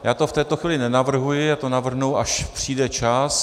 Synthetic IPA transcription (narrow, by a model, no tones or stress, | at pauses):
jaːt̪o̞ft̪ɛːt̪oxʋiːlɪnɛnavr̩ɦujɪjaːt̪onavr̩ɦnuwʔaʃpr̥iːdɛt͡ʃas